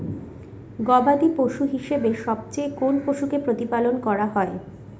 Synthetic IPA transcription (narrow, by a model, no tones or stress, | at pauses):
ɡɔbad̪ipoʃuɦiʃebeʃɔb̚t͡ɕejkonpoʃukepɾot̪ipalonkɔɾaɦɔe